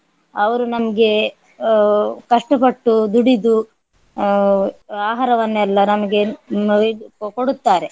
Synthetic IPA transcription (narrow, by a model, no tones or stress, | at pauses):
ɐʋɐɾunɐmɐɡe̞ | kɐʂʈɐpɐʈːud̪uɽid̪u | aːɦaɾɐʋɐnːɛlːɐnɐmɐɡe̞ | koɽut̪ːaːɾe̞